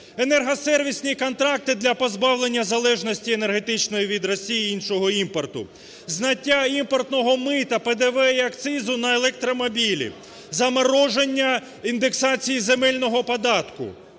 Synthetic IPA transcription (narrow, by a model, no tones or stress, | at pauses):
enɛrɦɐsɛrʋʲisʲnʲikɔnt̪ɾɑk̚t̪ɪd̪lʲɐpɔzbɑwlˠe̞nʲːɐzɐlˠɛʒnɔsʲtʲiene̞rɦet̪ɪt͡ʃnɔjiʋʲid̪ɾɔsʲijiinʃɔɦɔimpɔrt̪ʊ̰ | znɐtʲːaimpɔrt̪nɔɦɔmɪt̪ɐped̪eʋɛiɐkt̪sɪzʊnɐelˠek̚t̪ɾɔmɔbʲilʲḭ | zɐmɐɾɔʒenʲːɐ | ind̪eksɑt͡sʲijizemɛlʲnɔɦɔpɔd̪ɑt̪kʊ̰